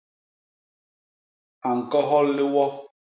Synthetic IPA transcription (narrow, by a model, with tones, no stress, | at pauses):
a˨ŋ̩˨kɔ˦ɦɔ˦lːɪ˦wɔ˦